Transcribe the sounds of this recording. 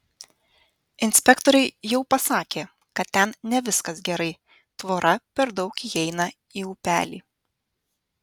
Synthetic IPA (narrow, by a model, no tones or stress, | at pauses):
ɪnʲsʲpʲɛkt̪ɔɾʲɛɪjɛʊpɐsɑːkʲeː | kɐt̪ʲt̪ʲɛnnʲɛʋʲɪskɐsɡʲɛɾɐɪ | t̪ʋoːɾɐpʲɛɾd̪ɒʊkiːɛɪnɐ | iːuːpʲæ̰ːlʲḭː